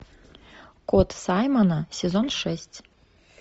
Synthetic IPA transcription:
kot̪sɑjmanasʲezonʂɛsʲtʲ

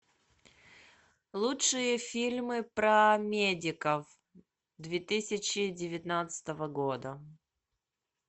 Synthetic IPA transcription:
lˠutʂɨjəfʲilʲmɨpɾəmʲedʲɪkəf | d̪vʲet̪ɨsʲɪt͡ɕɪdʲɪvʲɪt̪nat̪sɨ̥t̪əvəɡod̪ə

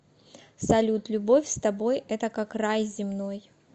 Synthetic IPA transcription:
sɐlʲut̪lʲʊbo̞fʲst̪ɐbo̞jɛt̪əkakrajzʲɪmno̞j

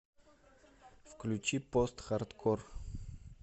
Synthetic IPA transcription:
fklʲut͡ʃipɔst̪xaɾt̪kʰɔr

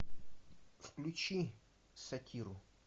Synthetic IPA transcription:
fklʲʊt͡ɕi | sɐtʲiɾʊ

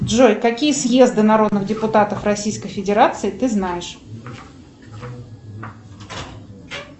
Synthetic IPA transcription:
dʐojkɐkʲijəsʲje̞zd̪ɨnɐɾo̞d̪nɨxdʲɪpʊt̪at̪əfrɐsʲijskəjfʲɪdʲɪɾat̪sɨɪt̪ɨznajɪʂ

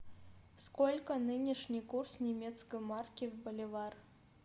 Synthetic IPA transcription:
skɔlʲkɐnɨnʲiʂnʲikursnʲɛmʲɛt̪skɐjmarkʲiwbɐlʲɛvar

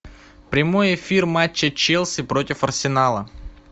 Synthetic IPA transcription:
pɾʲɪmo̞jɪfʲirmat͡ɕːət͡ɕelˠsʲɪpɾo̞tʲɪfɐrsʲɪnalˠə

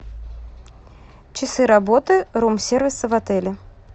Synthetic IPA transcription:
t͡ɕɪsɨɾɐbot̪ɨɾumsʲervʲɪsəvɐt̪ɛlʲɪ

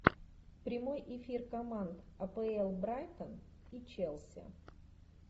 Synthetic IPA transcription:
pɾʲɪmojɪfʲirkɐmant̪ɐpəɛlˠbɾajt̪ən | it͡ɕelˠsʲə̰

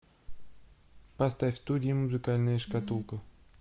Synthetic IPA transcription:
pɐst̪afʲst̪udʲɪɪmʊzɨkalʲnəjəʂkat̪ulˠkə

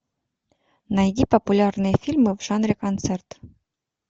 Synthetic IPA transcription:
najd̪ʲipopulʲarnefʲilməvʒanrekont̪t͡sɛrt̪

